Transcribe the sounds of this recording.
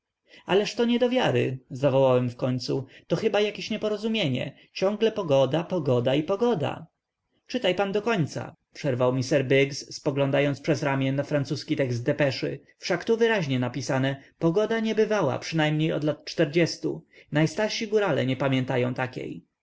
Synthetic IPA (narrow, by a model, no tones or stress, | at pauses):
alɛʂt̪ɔɲɛd̪ɔvʲjaɾɘ̰zavɔwawɛmfkɔɲt̪sut̪ɔxɘbajakʲeɕɲɛpɔɾɔzumʲjeɲɛ̰ | t͡ɕɔ̃ŋɡlɛpɔɡɔd̪apɔɡɔd̪aipɔɡɔd̪a̰ | t͡ʂɘt̪ajpand̪ɔkɔɲt̪sa̰ | pʂɛɾvawmʲisɛɾbɘɡsːpɔɡlɔ̃nd̪ajɔnspʂɛzɾamʲjɛnːafɾant̪suskʲit̪ɛɡzt̪̚d̪ɛpɛʂɘ̰ | fʂakt̪uvɘɾaʑɲɛnapʲisanɛpɔɡɔd̪aɲɛbɘvawa̰pʂɘnajmɲejɔ̰d̪lat̪̚t͡ʂt̪ɛɾd͡ʑɛst̪ṵnajst̪aɾʂiɡuɾalɛ̰ɲɛpamʲjɛnt̪ajɔ̃w̃t̪akʲḛj